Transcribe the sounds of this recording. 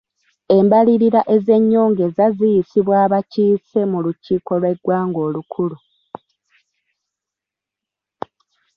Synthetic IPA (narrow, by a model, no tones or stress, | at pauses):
e̞mbaliɾiɾaʔe̞ze̞ɲːo̞ːŋɡe̞zazijisiβwaːβaciːse̞muluciːko̞lwe̞ɡwaːŋɡo̞ːlukʰulu